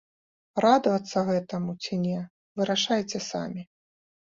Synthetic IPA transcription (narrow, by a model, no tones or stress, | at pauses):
rad̪ɐvɐt̪sːɐɣɛt̪ɐmut͡sʲinʲɛ | vɨɾaʂajt͡sʲɛsa̰mʲi